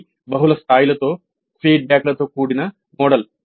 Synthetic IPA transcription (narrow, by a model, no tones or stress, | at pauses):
bɐɦulɐst̪aːjlɐt̪ːoː | feːɖ̚baːkɐlɐt̪ːoːkuːɽinɐ | moːɽɐl